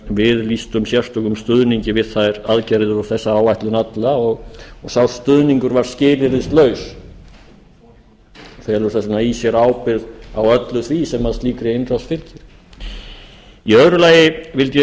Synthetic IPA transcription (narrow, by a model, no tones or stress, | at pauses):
vɪðlist̪ʏmsjɛr̥st̪œkʏmst̪ʏðniɲcɪvɪðθajɾaðcajɾðʏɾɔθɛsːaawvajht̪lʏnat̪laɔɣɔsawst̪ʏðniŋkʏɾvaɾ̥scɪːlɪɾɪst̪lœɥs | ɔθɛːlʏɾ̥θɛsnaisjɛɾaːwpɪðawœt̪lʏθvisɛmːaðst̪liːkɾɪɪnɾaw̪st̪fɪlcɪɾ̥ | iœðɾʏlaːjɪvɪlt̪jɛ